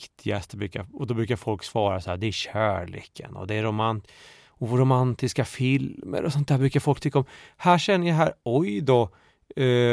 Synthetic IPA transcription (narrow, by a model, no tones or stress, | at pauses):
kt̪ʰɪɡast̪bɾʉ̟ːka̰ɔd̪ɔbɾʉ̟ːkaɾfɔlksvɑːɾasahæːd̪ɛæɾɕæːɭḛːkʰə̰nɔ̰d̪ɛɾʊman | ɔvɔɾʊmant̪ɪskafɪlmə̰ɾʔɔsɔnt̪æːbɾʉ̟ːkaɾfɔlk̚t̪ʰʏkːaɔmhæːʂɛnːəjaɦæːɾɔjd̪ɔ